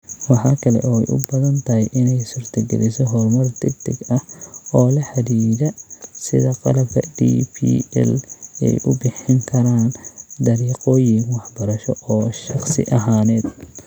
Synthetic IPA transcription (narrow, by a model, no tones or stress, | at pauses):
wɑħɑːkʰɐlɛ̰ʔɔːɛ̰jʔʊ̰bɐðɐnt̪ʰɐɦɛʔɪnɛjsʊrt̪ʰɐɡɛ̰lɪsɔɦɔrmɐrd̪ɪɡ̚d̪ʰɪɡɐhɔːlɐħɐd̪iːðɐsɪðɐqɑ̰lɐb̚kʰɐ̰d̪ḭːpʰḭːɛ̰lɛ̰jʔʊbɪħɪŋkʰɐɾaːnd̪ɐɾiːqɔːjɪŋwɑħbɐɾɐʃɔɔːʃɑχsɪ̰ʔɐɦaːnɛːd̪